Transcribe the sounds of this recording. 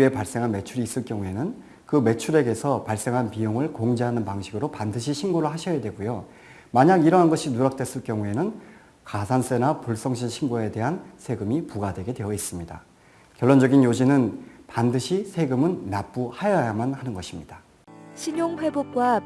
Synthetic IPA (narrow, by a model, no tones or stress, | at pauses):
ie̞paɭs͈e̞ŋɦanme̞t͡ɕʰuɾiːs͈ɯɭkjʌŋue̞nɯn | kɯme̞t͡ɕʰuɾe̞ɡe̞sʰʌpaɭs͈e̞ŋɦanpijoŋɯɭkoŋd͡ʑeɦanɯnpaŋɕʰiɡɯɾopandɯɕʰiɕʰinɡoɾɯɭhaɕʰʌjadwe̞ɡujo | maɲaɡiɾʌɦanɡʌɕʰinuɾak̚t͈we̞s͈ɯɭk͈jʌŋue̞nɯn | kasʰans͈e̞napuɭs͈ʌŋɕʰinɕʰinɡoe̞de̞ɦansʰe̞ɡɯmipuɡadwe̞ɡe̞dwe̞ʌis͈ɯmɲida̰ | kjʌɭːond͡ʑʌɡinjod͡ʑinɯnpandɯɕʰisʰe̞ɡɯmɯnːap͈uhajajamanhanɯnɡʌɕʰimɲid̥a | ɕʰiɲoŋɸwe̞bop̚k͈wa